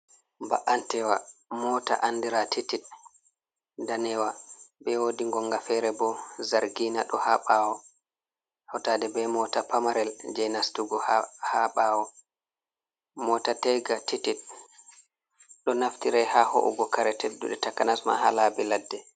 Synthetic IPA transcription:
ba̰ʔantɛwamɔːta̰ʔandiɾatitit̚ | danɛwabɛwodiŋɡɔŋɡafɛɾɛbɔzaɾɡiːna̰ɗɔhaɓawɔ | hɔtadɛbɛmɔtapamaɾɛld͡ʒɛjnastuɡɔhaɓaːwɔ | mɔːtatɛɡatitit̚ | ɗɔnaftiɾɛhaho̰ʔṵɡɔkaɾɛtʰedːṵɗɛtakanasma̰halabɛladːɛ

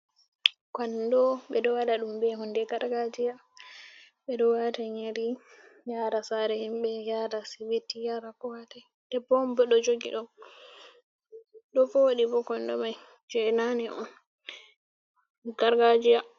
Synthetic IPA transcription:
kɔndɔɓɛɗɔwadaɗumbɛhɔndɛɡaɾɡad͡ʒija | ɓɛɗɔwataɲeɾijaɾasaɾɛhimɓɛjaɾasibitːijaɾakɔwata | d̥ɛbɔmbɔɗɔd͡ʒoɡḭɗɔ | ɗɔfɔwoɗibɔkɔndɔ̰maj | d͡ʒɛnanɛʔɔn | ɡaɾɡad͡ʒija

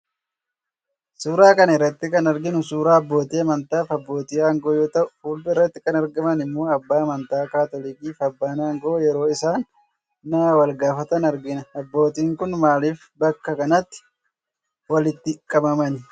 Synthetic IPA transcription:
suːɾaːkɐnɛrːɐt̪ːɪkɐnɐɾɡɪnʊsuːɾaːɐbːo̞ːt̪iɐmɐnt̪aːfɐbːo̞ːt̪ɪːaːŋɡoːjoːt̪ɐʔʊfuːlb̪ʊɪrːɐt̪ːɪkɐnɐɾɡɐmɐnɪmːuːɐbːaːmɐnt̪aːkaːt̪ɔliːkiːfɐbːaːnaːŋɡoːjɛɾo̞ːɪsaːnː | aːwɐlɡaːfɐt̪ɐnɐɾɡɪnɐɐbːo̞ːt̪iːŋkʊnmaːliːf | bɐkːɐkɐnɐt̪ːɪ̥ | wɐlɪt̪ːɪkʼːɐbɐmɐn

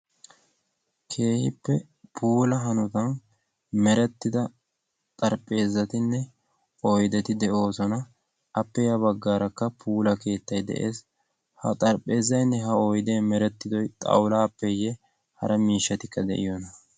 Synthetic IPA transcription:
kʰe̞ːhɪpːɛ | pʰuːlɐɦɐnʊt̪ɐn | mɛɾɛt̪ːɪd̪ɐ | t̪ʼɐɾpʼːe̞ːzːɐt̪ɪnːɛ | ojd̪ɛt̪ɪd̪ɛʔo̞ːsɔnɐ | ɐpːɛjɐbɐɡːaːɾɐkːɐpʰuːlɐke̞ːt̪ːɐjd̪ɛ̰ʔe̞̰ːs | hɐ̰t̪ʼɐɾpʼːe̞ːzːɐjnːɛɦɐojd̪emɛɾɛt̪ːɪd̪ɔjt̪ʼɐ̰wlaːpːɛjɛ | hɐ̰ɾʔɐmiːʃːɐt̪ɪkːɐd̪ɛ̰ʔɪ̰jɔnɐ

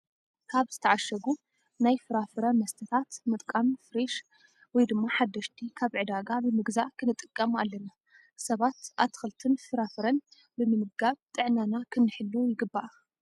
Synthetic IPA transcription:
kʰaβzɨt̪ʰɐʕaʃɐɡu | najfɨɾafɨɾɐnmɐst̪ʰɐt̪ʰat̪mɨt̪ʼkʼamfɨɾeʃ | wɔjd̪ɨmːaħad̪ːɐʃt̪ʰikʰaβʕɨd̪aɡabɨmɨɡzaʔkʰɨnɨt̪ʼːɨkʼːɐmalːɐna | sɐβat̪ʔa̰t̪ʰxɨlt̪ʰɨnfɨɾafɨɾɐn | bɨmɨmɨɡaβt̪ʼɨʕnanakʰɨnːɨħɨlːujɪɡɨbːaʔ

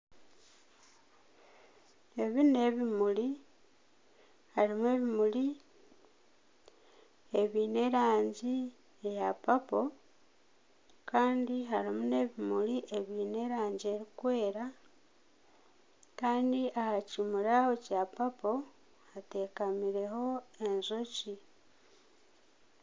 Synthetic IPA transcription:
e̞βine̞βimuli | halimue̞βimuli | e̞βiːne̞ɾaːɲɟi | ejapapo̞ | kaːndiɦalimune̞βimuliʔe̞βine̞ɾaːɲɟie̞ɾikwe̞ːɾa | kaːndiʔahacimuɾahocapapo̞ | hate̞kamiɾe̞ho̞e̞nzoci

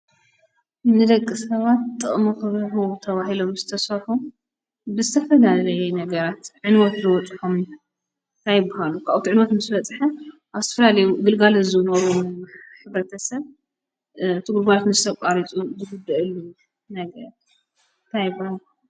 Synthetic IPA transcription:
nɨd̪ɐkʼːɨsɐβat̪t̪ʼɨχʼmuxɨβħut̪ʰɐβaɦilo̞mzɨt̪ʰɐsfɐɾħum | bɨzɨt̪ʰɐfɐlalɐjɛnɐɡɐɾat̪ʕɨnwɔt̪zɨwɔt͡sʼħom | t̪ʰajbahalukʰaʔt̪ʰiʕɨnwɔt̪mɨsbɐt͡sʼħɐʔaβzɨt̪ʰɐ̥fɐlalɐjuɡɨlɡalɨzɨnoɾuħɨβɾɐt̪ʰɐsɐβ | ɨt̪ʰɨɡuɾbajot̪mɨzɨt̪ʰɐkʼaɾit͡sʼuzɨɡud̪ɐʔɨlːu | nɐɡɐɾ | nt̪ʰajbahalu

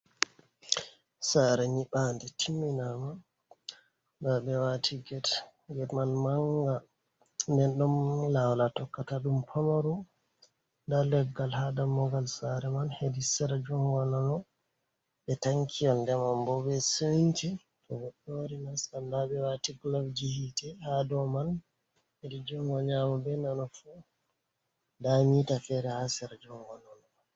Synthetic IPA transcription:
saɾɛɲiɓandɛtʰimːinama | dabɛwatʰiɡɛt | ɡɛtmanmaŋɡa | ndɛnɗɔmlawlatɔkːataɗumpʰamaɾu | ndalɛɡːalhadamɔɡalsaɾɛmanhedisɛɾad͡ʒɔmwananɔ | ɓɛtaŋkʰijɔndɛmambɔbɛsuɲt͡ʃi | tɔɡɔɗːɔɾinasandabɛwatiklabd͡ʒihitɛhadɔman | hedid͡ʒɔŋɡɔɲamabɛnanɔfu | damitafɛɾɛhasɛɾad͡ʒɔŋɡanɔnɔ

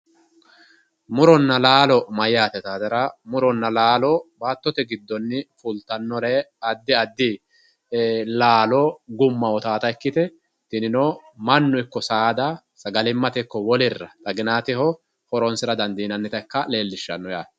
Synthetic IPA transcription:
mʊɾɔnːɐlaːlɔmɐjːaːt̪ɛt̪aːd̪ɐɾɐmʊɾɔnːɐlaːlɔbaːt̪ːɔt̪ɛɡɪd̪ːɔnːɪfʊlt̪ɐnːɔlɛɐd̪ːɪɐd̪ːɪ | laːlɔɡʊmːɐɔt̪aːt̪ɐɛkːɪt̪ɛ | t̪ɪnɪnomɐnːʊɪkːɔsaːd̪ɐ | sɐɡɐlɪmːɐt̪ɛkːɔwɔlɪrːɐt̪ʼɐɡɪnaːt̪ɪhɔ | hɔɾɔnsɪɾɐd̪ɐnd̪iːnɐnːɪt̪ɐkːɐle̞ːlːɪʃːɐ̰nːɔjaː

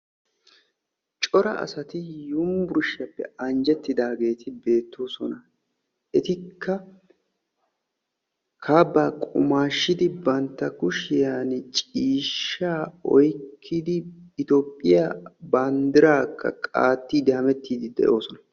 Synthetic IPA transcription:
t͡ʃʼɔɾɐ̰ʔɐ̰sɐt̪ɪjʊmbʊɾʃːɐpːɛ̰ɐnd͡ʒɛt̪ːɪd̪aːɡe̞ːt̪ʰɪbe̞ːt̪ːo̞ːsɔnɐ | ʔɛt̪ɪkʰːɐ | kʰaːbːaːkʼʊ̰maːʃːɪd̪ɪbɐnt̪ːɐkʊʃɪjaːnɪt͡ʃʼiːʃːaːɔjkʰːɪd̪ɪːt̪oːpʼːɪjabaːnd̪ɪɾaːkːɐ̰kʼa̰ːt̪ːiːd̪ɪhɐmɛt̪ːiːd̪ɪd̪ɛ̰ʔo̞ːsɔnɐ̥

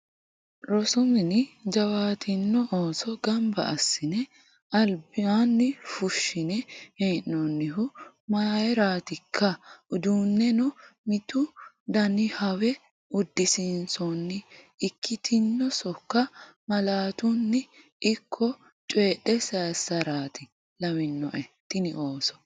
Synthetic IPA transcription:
ɾɔsʊmɪnɪd͡ʒɐwaːt̪ʰɪnːɔʔoːsɔɡɐmbɐ̰ʔɐsːɪnɛ | ʔɐlbɪanːɪfʊʃːɪnɛheːnːɔnːɪɦʊ | maːjɛɾaːt̪ɪkʰːɐʊd̪uːnːɛnɔmɪt̪ʊ | d̪ɐnɪhɐwɛ | ʊd̪ːɪsɪnsɔnːɪː | kʰːɪt̪ʰɪnːɔsɔkːɐmɐlaːt̪ʊnːɪ | ʔɪkʰːɔ | t͡ʃʼeːɗːɛsaːsɐɾaːt̪ɪ | lɐwɪnːɔ̰ʔɛ | t̪ɪnɪʔoːsɔ̥

